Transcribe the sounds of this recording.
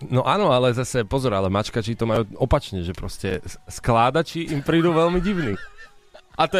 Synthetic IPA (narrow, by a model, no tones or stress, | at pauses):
nɔʔaːnɔalɛzasɛpɔzɔɾalɛmat͡ʃkat͡ʃit̪ɔmajuːɔpat͡ʃɲɛʒɛpɾɔscɛ̰sklaːd̪at͡ʃiʔimpɾiːd̪uʋɛlmiɟiʊni | at̪ɔ